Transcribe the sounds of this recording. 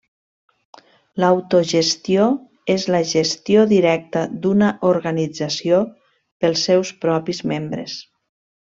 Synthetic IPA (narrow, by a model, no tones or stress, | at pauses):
lawt̪oʒest̪io | ezləʒest̪ioðiɾɛk̚t̪əd̪unəʔoɾɣanid͡zasio | pəlˠsːɛwspɾɔpizmembɾḛs